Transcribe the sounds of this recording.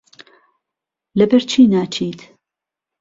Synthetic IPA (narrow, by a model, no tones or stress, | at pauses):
lɐbɛɾt͡ʃʰiːnaːt͡ʃʰiːt̪